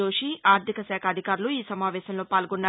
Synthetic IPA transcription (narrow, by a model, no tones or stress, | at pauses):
o̞ːʂiʔaːɾt̪ʰikɐsɛːkʰɐːd̪ʱikaːɾuluiːsɐmaːʋɛːɕɐmlo̞ːpaːlɡonːaː